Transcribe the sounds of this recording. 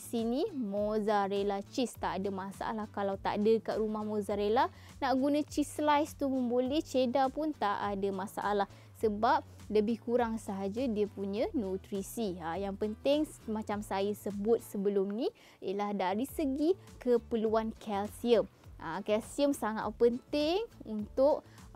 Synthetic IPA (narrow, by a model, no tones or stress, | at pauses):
sinimozaɾelat͡ʃist̪aʔadəmasa̰ʔa̰lahkalawt̪a̰ʔdəkaʔɾumahmõzaɾela | naʔɡunãt͡ʃislajst̪uməmbolɛht͡ʃedapunt̪aʔadamasa̰ʔa̰lah | səbap̚ | ləbɪhkuɾaŋsaɦad͡ʒadiəpuɲə̃nut̪ɾisiajaŋpənt̪ɪŋmat͡ʃamsajasəbʊt̪̚səbəlʊmni | ilahdaɾisəɡikəpəluankʰɛlsiəmʔa̰kɛlsiəmsaŋa̰t̪pənt̪ɪŋunt̪ʊʔ̚